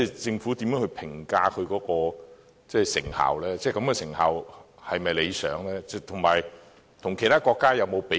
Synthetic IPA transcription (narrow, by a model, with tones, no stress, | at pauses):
ɛ˥˨˩t͡sɪ˧ŋfu˨˥t̪i˨˥mjœː˨˥ŋhɵ˧ɥpʰɪ˨˩ŋkaː˧kʰɵ˨˧ɥkɔː˨˥kɔː˧ | t͡sɛː˥˩sɪ̰˨˩ŋha̰ː˨˩wlɛː˥t͡sɛː˥˩kɐ˨˥mkɛ˧sɪ˨˩ŋhaː˨whɐ˨jmɐ˨jle˨˧jsœ̰ː˨˥ŋlɛː˥t͡sɛ˥˩t̪ʰʊ˨˩ŋmaː˨˩j | t̪ʰʊ˨˩ŋkʰe˨˩jt̪ʰaː˥kɔː˧kːaː˥jɐ˨˧wmo˨˧wpe˨˥